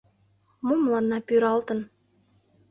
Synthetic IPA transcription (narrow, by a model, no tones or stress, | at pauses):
momlˠɑnːɑpyɾɑlt̪ə̆n